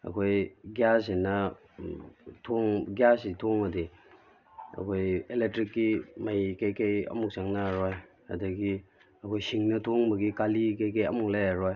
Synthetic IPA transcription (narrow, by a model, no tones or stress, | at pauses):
ɐ̰kʰojɡjasenɐ | tʰoŋɡjasitʰoŋɐdi | ɐ̰kʰojelek̚tɾikːimajkajkajɐ̰muk̚saŋnaɾoj | ha̰dɐɡi | ɐkʰojsiŋnɐtʰoŋbɐɡikalikajkajɐ̰muŋlajaɾoj